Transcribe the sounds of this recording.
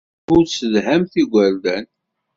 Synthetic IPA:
ʊɾsəðɦæmθiɡʷæld̪æn

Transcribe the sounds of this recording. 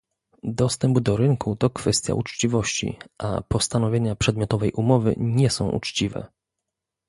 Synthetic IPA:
d̪ɔst̪ɛmbd̪ɔɾɘŋkut̪ɔkfɛst̪ʲja̰ut͡ʂt͡ɕivɔɕt͡ɕḭʔa̰pɔst̪anɔvʲjeɲapʂɛd̪mʲjɔt̪ɔvɛjʔumɔvɘ̰ɲɛsɔ̃w̃ʔṵt͡ʂt͡ɕivɛ̰

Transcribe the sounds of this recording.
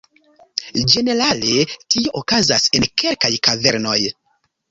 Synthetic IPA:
d͡ʒe̞ne̞ɾale̞tioʔokazase̞nkʰe̞lkajkaveɾno̞j

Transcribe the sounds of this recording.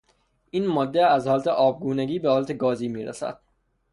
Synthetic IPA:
ʔiːnmɒːd̪ːeæzhɒːlæt̪ʰeʔɒːb̚ɡuːneɡiːbehɒːlæt̪ʰeɡɒːziːmiːɾæ̰sæ̰d̪̥

